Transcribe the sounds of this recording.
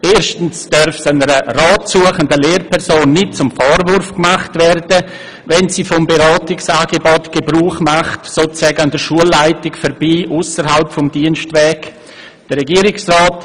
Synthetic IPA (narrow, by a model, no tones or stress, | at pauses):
eːɾʃtn̩sd̥œɾfsanəɾəraːtsuɐəχəndəleːɾpʰɛɾsoːnːɪt̚t͡sʊmfɔːɾvʊɾfkmaχtvɛɾdə | vɛnsiːfɔmbeɾaːtɪksaːɡ̥ebɔtɡ̥ebɾuːχmaχtsoːt͡sɛːɡəandəʃuəlːaɪtɪkfɛɾbiːʔʊsəɾhalpfɔmdiənʃtʋɛːk | d̥əɾɛɡiːəɾɪksraːt